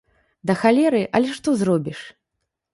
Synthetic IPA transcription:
d̪ɐxalʲɛɾɨʔɐlʲɛʂt̪ɔzrɔbʲiʂ

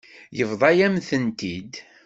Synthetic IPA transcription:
jəvðˤɑjæmθənt̪id̪

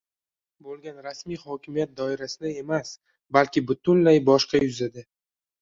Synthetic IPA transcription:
bolˠɡʲanɾasmijhɒkʲʰɪmijat̪̚d̪ɒɪɾasɪd̪ae̞mas | balkʲɪbʊt̪ʰʊnlajbɒʃqɑjʊzad̪a

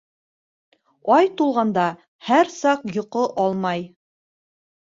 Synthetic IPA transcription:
ɑjt̪ulˠʁɑnd̪ɑ | hæɾsɑqjŏqoʔɑlˠmɑj

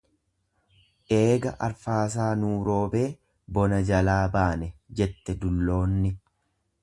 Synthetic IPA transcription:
ʔe̞ːɡɐ̰ʔɐ̰ɾfaːs̬aːnuːɾo̞ːbe̞ː | bɔnɐd͡ʒɐlaːbaːnɛd͡ʒɛt̪ːɛd̪ʊlːo̞ːnːɪ

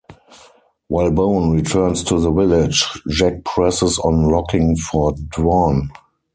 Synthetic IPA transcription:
waɪlbõʊ̃nɹitʰɜ̃˞nstʰuðəvɪlɪd͡ʒd͡ʒɛk̚pʰɹɛsɪsɔ̃nɹɔkɪ̃ŋfɔdwɔn

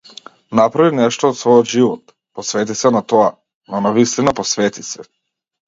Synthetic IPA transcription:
napɾavinɛʃt̪ɔːt̪svɔjɔt̪ʒivɔt̪ | pɔsvɛt̪̬isɛnat̪ɔa | nɔnavist̪inapɔsvɛt̪isɛ

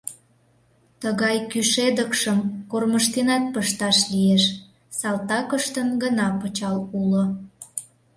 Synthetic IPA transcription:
t̪əɣɑjkyʃed̪əkʃəmkorməʃt̪enɑt̪̚pəʃt̪ɑʃlieʃ | sɑlt̪ɑkəʃt̪ənɡənɑpət͡ɕɑlulo

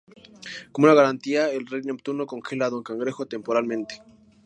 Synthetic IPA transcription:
komunaɣaɾant̪iaelrejnep̚t̪unokoŋxe̞laðoŋkaŋɡɾexot̪e̞mpo̞ɾalmẽnt̪e̥

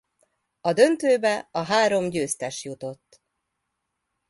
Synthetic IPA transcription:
ɒd̪ø̞nt̪øːbɛɒɦaːɾo̞mɟøːst̪ɛʃjut̪o̞t̪ː

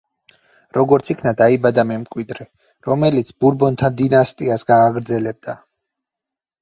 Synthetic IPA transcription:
ɾɔɡɔɾt̪sʰikʰnad̪aibad̪amɛmkʼwid̪ɾɛ | ɾɔmɛlit̪sʰbuɾbɔnt̪ʰand̪inast̪ʼiasɡaːɡɾd̪zɛlɛb̚d̪a

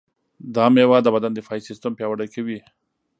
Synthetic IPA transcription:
d̪ɑmewad̪əbad̪and̪efɑisɪst̪ampjɑwaɽakawi

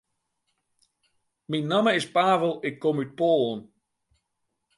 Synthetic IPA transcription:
minːaməɪspaːvəlˠɪkʰːomyt̚poːlˠən

